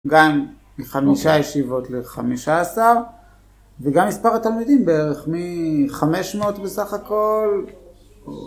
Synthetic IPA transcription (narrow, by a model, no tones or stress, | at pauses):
ɡamː | iχamiʃajeʃivo̞tleχa̰miʃaːsaʁ | veɡamːispaʁat̪almid̪imbeeʁeχmiχame̞ʃmeotbesaχako̞l